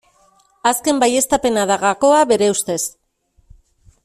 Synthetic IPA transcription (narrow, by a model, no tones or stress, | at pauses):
aske̞mbaje̞st̪ape̞naðaɣako̞aβe̞ɾe̞ust̪e̞s